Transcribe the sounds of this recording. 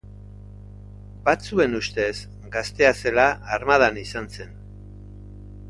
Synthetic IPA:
bat͡sue̞nust̪e̞s | ɡast̪e̞ase̞laːɾmað̞anisanse̞n

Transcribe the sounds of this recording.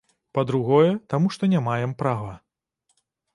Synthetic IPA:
pɐd̪ɾuɣɔjɛt̪amuʂt̪ɔnʲamajɛmpɾavɐ

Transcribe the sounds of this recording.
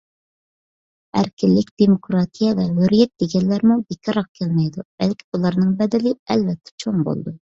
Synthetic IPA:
æ̰ɾkʲɪlːɪkʲd̪̥emokɾɑt̪ʰijɛvɛɦøɾijɛt̪̚d̪eɡʲɛnlːæɾmubekʰʲɑɾɑq̚kʲʰɛlmɛjd̪ub̥ɛlkʲʰiulˠɑɾnɨŋbɛd̪ɪlɪɛlvɛt̪ʰːɛ̥t͡ʃʰoŋbo̰lˠd̪u

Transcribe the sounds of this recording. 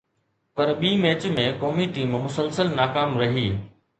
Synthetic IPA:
pɐɾɓiːmeːt͡ɕmẽkɔːmiʈiːmmʊsəlsəlnaːkaːmɾɐɦiː

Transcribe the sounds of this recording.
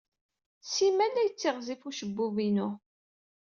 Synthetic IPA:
simælːæjət͡sːiʁzifuʃəbːuvinu

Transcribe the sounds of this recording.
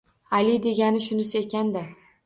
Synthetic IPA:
alɪd̪e̞ɡʲanɪʃʊnɪsɪekʲand̪a

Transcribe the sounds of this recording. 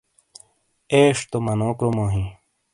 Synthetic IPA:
eːʂt̪omɐnoːkɾomoːɦĩ

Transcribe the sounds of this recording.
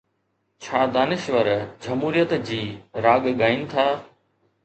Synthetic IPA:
t͡ɕʰaːd̪aːnɪʃʋəɾd͡ʑɐmɦuːɾijət̪d͡ʑiːɾaːɠɡaːinɪ̆t̪ʰaː

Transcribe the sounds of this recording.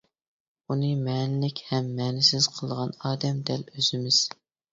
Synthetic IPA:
unɨmɛːnɪlɪkʲhɛmːɛːnɪsɪz̥qʰəlˠʁɑnɑːd̪ɛmd̪ɛløz̥ɪmɪz̥

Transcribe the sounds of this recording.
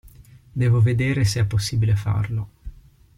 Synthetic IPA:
d̪ɛːvoved̪eːɾeseɛpːosːiːbilefa̰rlo

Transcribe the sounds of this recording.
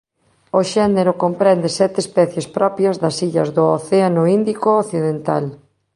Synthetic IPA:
oʃɛneɾʊkompɾɛnd̪ɪsɛt̪espɛθjespɾʔɔpjɐzðɐsiʎɐzðʊoθeanʊind̪ikooθiðent̪a̰l

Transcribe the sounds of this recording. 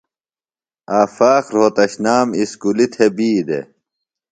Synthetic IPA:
aːfaːxɾoːt̪ɐɕnaːmiskulit̪ʰebiːd̪ḛ

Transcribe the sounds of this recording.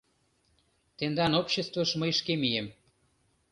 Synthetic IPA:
t̪end̪ɑnopɕest̪voʃməjʃkemijem

